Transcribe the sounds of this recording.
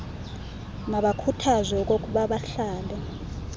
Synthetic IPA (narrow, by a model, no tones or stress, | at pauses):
naɓakʰutʰazɛk̬ʼok̬ʼuɓaɓaɬaːlɛ